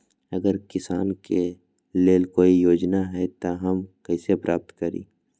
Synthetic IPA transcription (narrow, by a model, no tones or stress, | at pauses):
ɐɡəɾkɪsaːnke | leːlkoːijoːd͡ʒnaɦɛt̪aɦɐmkɐisepɾʔaːp̚t̪kɐɾḭ̃ː